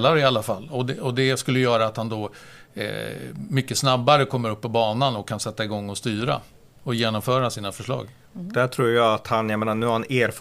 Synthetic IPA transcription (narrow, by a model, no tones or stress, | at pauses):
lːaɾɪalːafalːɔd̪ɛɔd̪ɛskɵlːəjœːɾaːt̪hand̪ɔ̰ | mʏkːəsnabːaɾəkʰɔmːəɾɵpːɔbɑːnanɔkʰːansɛt̪ːaɪɡɔŋːɔst̪yːɾa̰ | ɔjeːnɔmfœːɾasiːnafœʂɭɑ̰ːɡ | d̪̥æʈʰɾuːɾjɑːat̪hanjameːnanʉːhaɾhaneːɾf